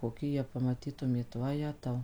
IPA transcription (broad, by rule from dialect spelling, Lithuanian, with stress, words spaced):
koːˈkʲɪ jiɛ pɐmɐˈtʲiːtʊmʲeːt ʋɐˈjæːtɐʊ